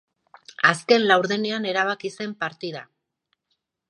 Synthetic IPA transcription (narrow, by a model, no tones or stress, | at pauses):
aske̞nlawɾðene̞ane̞ɾaβ̞akise̞mpaɾt̪ið̞a̰